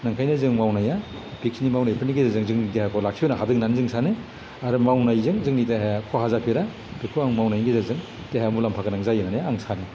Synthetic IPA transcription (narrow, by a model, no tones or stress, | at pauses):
naŋkʰajnɯzɯŋmawnaja | pik̚snimawnajpʰɯniɡizazɯŋzɯŋnitehekʰɔlak̚sʰbenaɦadɯŋnanzɯŋsʰanɯ | aɾɯmawnajzɯŋzɯŋnitaɦekʰɔɦazapʰiɾa | b̥ikʰoaŋmawnajɡizazɯŋ | teheamulampʰakanaŋzajɯnanjaːŋsanɯ